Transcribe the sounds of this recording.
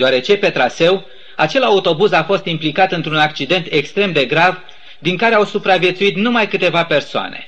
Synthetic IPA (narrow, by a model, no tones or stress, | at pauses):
d̪oaɾe̞t͡ʃe̞pe̞t̪ɾase̞w | at͡ʃe̞laut̪o̞buzafo̞st̪implikat̪ɨnt̪ɾunakt͡ʃid̪e̞nt̪e̞kst̪ɾe̞md̪e̞ɡɾav | d̪iŋkaɾe̞awsupɾavje̞t̪suit̪numajkɨt̪e̞vape̞rsoa̰ne̞̰